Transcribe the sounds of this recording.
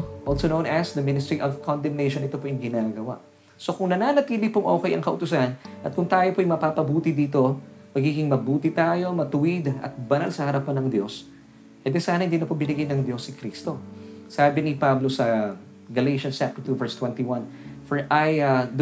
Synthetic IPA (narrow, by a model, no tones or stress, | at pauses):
ʔolsonownɐsd̪ɐmɪnɪst̪ɹiʔovkʰond̪ɛmnɛjʃonɪt̪opoʔjɪŋɡɪnaːɡɐwa̰ʔ | so̞kʊŋnɐnaːnɐt̪iːlɪpʊŋʔoːkɛjɐŋkɐʔʊt̪ʊsanʔɐt̪̚kʊŋt̪aːjopoɐjmɐpapɐbuːt̪ɪd̪iːt̪o̞mɐɡiːɡɪŋmɐbuːt̪ɪt̪aːjo̞mɐt̪ʊwɪd̪ɐ̰t̪̚bɐnalsɐhɐɾɐpanɐŋd̪jo̞s | kɛd̪ɛsaːnɐhɪnd̪iːnɐpobɪnɪɡajnɐŋd̪jo̞sːɪkɾist̪o̞saːbɪnɪpablosɐ | ɡɐlejʃɐnt͡ʃap̚t̪ɛɹt̪uvɛɹst̪wɛnt̪iwɐn | fɛɹʔajad̪